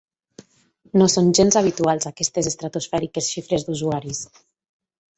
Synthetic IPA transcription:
nosonʲʒenzaβ̞it̪ualˠzakɛst̪ezest̪ɾat̪osfɛɾikesʃifɾezd̪uzuaɾis

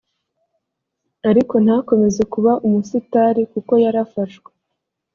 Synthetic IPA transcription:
aɾiko̞n̥hako̞me̞ze̞kuβaʔumusitaɾikuko̞jaɾafaʃwe̥

